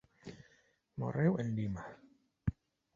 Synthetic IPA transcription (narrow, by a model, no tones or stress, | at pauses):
mɔ̰ɾɛwɛndima